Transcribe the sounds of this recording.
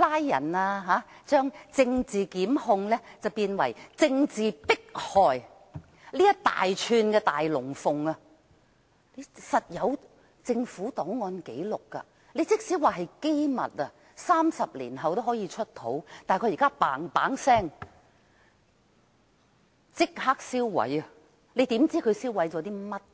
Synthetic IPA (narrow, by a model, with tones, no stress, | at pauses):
laː˥jːɐ̰˨˩naː˧ɦaː˨˥t͡ʃœː˥ŋt͡sɪ˧ŋt͡siː˨kiː˨˥mhʊ˧ŋlɛː˥t͡sɐ˨wpiː˧nwɐ̰˨˩jt͡sɪ˧ŋt͡siː˨pɪ˥k̚hɔː˨j | liː˥jɐ˥t̪a̰ː˨jt͡ʃʰyː˧nkɛː˧t̪aː˨jlʊ˨˩ŋfʊ˨ŋɐ˧ | le˨˧jsɐ˨t̚jɐ˨˧w | t͡sɪ˧ŋfuː˨˥t̪ɔː˨˥wŋɔː˧nke˨˥jlʊ˨kːɐ̰˧ | le˨˧jt͡sɪ˥k̚siː˨˥waː˨ɦɐ˨jke˥jmɐ̰˨t̚ɐ˧ | saː˥msɐ˨p̚lḭː˨˩nɦɐ˨wt̪o˥wɦɔː˨˥jiː˧t͡ʃʰɵ˥t̚t̪ʰo̰˨˥wt̪aː˨jkʰːjkaː˥paː˨˥ŋpa̰ː˨˥ŋsɛː˥ŋ | t͡sɪ˥k̚haː˥k̚siː˥wːɐ̰˨˥jɐ˨ | le˨˧jt̪iː˨˥mt͡siː˥kʰɵ˨˧ɥsiː˥wwɐ˨˥jt͡sɔː˨˧t̪iː˥mɐ˥t̚